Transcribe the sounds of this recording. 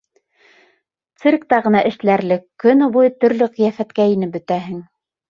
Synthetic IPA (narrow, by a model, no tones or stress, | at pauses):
t̪sɨrk̚t̪ɑʁɤ̆nɑʔɘ̆ʃlæɾlɘkːɵnβujɤt̪ɵ̆ɾlɵqĭjæfæt̪kæinɘp̚bɵ̆t̪æɦɘŋ